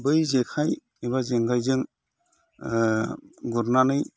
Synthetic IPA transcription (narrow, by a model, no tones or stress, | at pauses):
bɯjzekʰaj | iβazeŋɡajzɯŋ | ɡuɾnanɯj